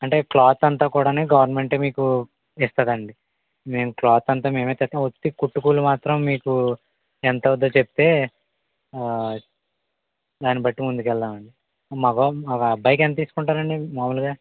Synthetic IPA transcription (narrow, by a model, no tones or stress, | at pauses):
ɐɳʈe̞ːklaːt̪ɐnt̪aːkuːɽaːneːɡɐʋɐɾnme̞ɳʈe̞ːmiːku | ɛst̪ɐd̪ɐɳɖi | me̞ːmuklaːt̪ɐnt̪aːme̞ːmeːt̪ɛt̪ːaot̪ːikuʈːukuːlumaːt̪ɾɐmːiːku | ɛnt̪ɐud̪ːɐt͡ʃep̚t̪e̞ː | d̪aːnibɐʈːimund̪ukɛld̪aːmɐɳɖi | maːkoɐkɐbɐjkent̪ɐt̪iːsu̥kuɳʈaːɾɐɳɖimaːmɐluɡaː